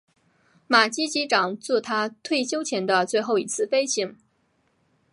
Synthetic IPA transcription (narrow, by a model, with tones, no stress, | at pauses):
ma˨˩t͡ɕi˥t͡ɕi˧˥ʈ͡ʂɑ˨˩ŋt͡sɔ˥˩t̪ʰa˥t̪ʰwe˥˩ɪɕjo˥ʊt͡ɕʰjɛ˧˥nd̪ə˧t͡swe˥˧ɪxo˥˩ʊḭ˨˩t͡sʰɹ̩˥˩fe˥ɪɕi˧˥ŋ